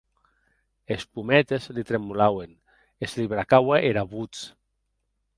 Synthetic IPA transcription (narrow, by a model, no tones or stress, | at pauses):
espumɛt̪ezlit̪ɾemulawen | esliβɾakawaʔeɾaβut͡s